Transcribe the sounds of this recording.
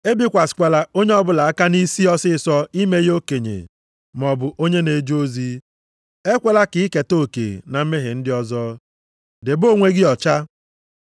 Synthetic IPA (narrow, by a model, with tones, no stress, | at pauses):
e˦bi˦kʷa˨skʷe˨la˨o˦ɲe˦ɔ˦bʊ˦la˨a˦ka˦ni˦si˦ɔ˦sɪ˦sɔ˦i˦me˦jo˦ke˨ɲḛ˨ | m˨ɔ˨bʊ˨ʔo˦ɲe˦ne˨d͡ʒo˦zi˦ | e˦kʷe˦la˦ki˨˦ke˨to˦˨kḛ˨na˨m̩˦me˦ɦɪ˨n̩˦dɪ˦ɔ˦zɔː˦ | dɪ˨bo˦˨ŋʷe˦ɡɪ˦ɔ˨t͡ʃa˦